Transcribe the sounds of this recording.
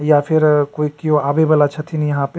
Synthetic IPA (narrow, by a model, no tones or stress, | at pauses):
japʰiɾkoikiõabebəlat͡ʃʰət̪ʰinijəɦãpe